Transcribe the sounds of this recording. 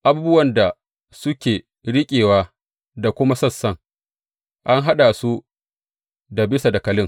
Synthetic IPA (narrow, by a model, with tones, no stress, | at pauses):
ʔa˨bu˦bʊ˦wɐ˨nda˨ | sʊ˦kʲeː˨ | ɽɪ˦kʲʼeː˨waː˦ | da˨kʷʊ˦ma˦sɐ˦sːɐ˦ŋ | ʔa˦ŋɦa˦ɗa˨su˦ | da˨bɪ˦sa˨da˨kɐ˨lɪ˦ŋ